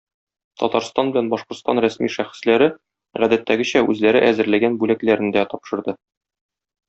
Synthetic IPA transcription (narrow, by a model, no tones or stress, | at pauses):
t̪ʰɒ̰t̪ɑɾst̪ɑnbɘ̆lænbɒʃqoɾt̪st̪ɑnɾæsmiʃæχɘ̥̆slæɾɘ | ʁæd̪æt̪ːæɡɘ̆ɕæʉzlæɾɘ̰ʔæzɘ̆ɾlæɡænbʉlæklæɾɘ̆nd̪æt̪ɒpʃɤ̆ɾd̪ɤ